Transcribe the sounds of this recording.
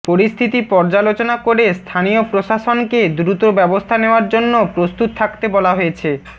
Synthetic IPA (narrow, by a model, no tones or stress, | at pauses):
poɾist̪ʰit̪ipɔɾd͡ʑalot͡ɕonakoɾest̪ʰaniopɾoʃaʃonked̪ɾut̪obɛbost̪ʰaneoaɾd͡ʑonːopɾost̪ut̪̚t̪ʰakt̪ebɔlaɦoet͡ɕʰe